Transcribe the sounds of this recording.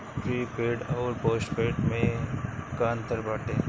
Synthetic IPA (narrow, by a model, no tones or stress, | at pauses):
fɾiːpeːɖɔːɾpoːsʈpeːʈmẽkaːnt̪əɾbaːʈeː